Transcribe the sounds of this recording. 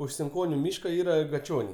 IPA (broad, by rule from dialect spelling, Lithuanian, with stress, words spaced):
ʊʃ sʲɪŋˈkoːnʲʊ ˈmʲiːʃkɐ ˈiːrɐ ɡɐˈt͡ʃʲoːnʲɛɪ